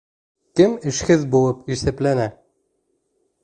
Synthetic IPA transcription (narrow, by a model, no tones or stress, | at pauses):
kɘmɘ̆ʃhɘðbulˠɤpiʃθæ̆plænæ